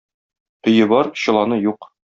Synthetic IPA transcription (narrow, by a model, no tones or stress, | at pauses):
ɵ̆jɘbɒɾɕɤ̆lˠɑnɤjuq